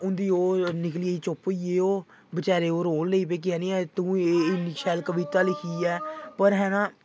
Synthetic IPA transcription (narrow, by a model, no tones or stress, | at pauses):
ʊnd̪iːoːnɪk̬lieiːt͡ʃopoiːeːoː | bət͡ʃaːɾeːoːɾoːlːəiːp̬eːk̬ɪɛːnĩːɛːt̪ũːeɪniːʃʰɛːlkəʋiːt̪aːlɪkʰiːɛːpəɾɦɛːnãː